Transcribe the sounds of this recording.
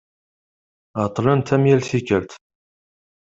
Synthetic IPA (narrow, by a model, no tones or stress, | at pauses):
at̪ˤlənt̪ʰæmjælθikəɾt̪